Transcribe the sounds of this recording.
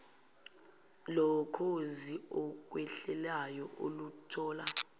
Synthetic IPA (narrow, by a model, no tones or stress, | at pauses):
lɔkʰoziɔk̬wɛɬɛlajɔo̰lutʰɔːla